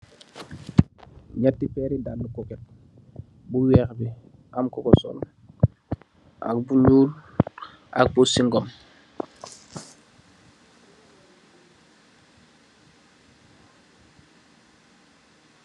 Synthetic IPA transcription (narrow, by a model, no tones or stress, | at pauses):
ɲatːifɛːɾidanːukɔkɛt̚ | buwɛːxbi | amkɔkɔsɔ̰l | a̰k̚buɲuːl | ʔa̰k̚busiŋɡɔm